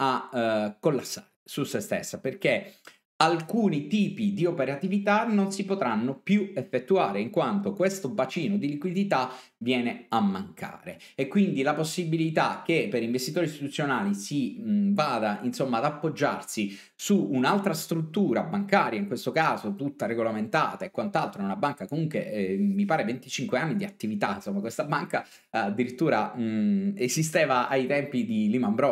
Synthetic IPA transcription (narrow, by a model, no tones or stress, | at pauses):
akːolːasːa̰ːɾesusest̪ḛsːaperk̟e | alkuːnit̪iːpid̪iopeɾat̪ivit̪anonsipot̪ɾanːopjuefːet̪ːuaːɾeiŋkwant̪okwest̪ovat͡ʃiːnod̪ilikwid̪it̪a | vjɛːneamːaŋkʰa̰ːɾeː | kːwind̪ilaposːibilit̪ak̟ːepːeɾiɱvest̪it̪oːɾist̪it̪ut̪sːjonaːlisivaːd̪ainsomːaːd̪apːod͡ʒːa̰rsi | suːnalt̪ɾast̪ɾut̪ːuːɾabaŋkaːɾjaiŋkwest̪okaːzot̪ut̪ːareɡolament̪aːt̪aekːwant̪alt̪ɾoɛunabaŋkakomuŋkwemipaːɾevent̪it͡ʃiŋkweanːid̪iat̪ːivit̪a̰insomːakwest̪abaŋka | ad̪ːiɾit̪ːuːɾa | ezist̪eːvaʔajt̪ɛmpid̪ilimambɾɔ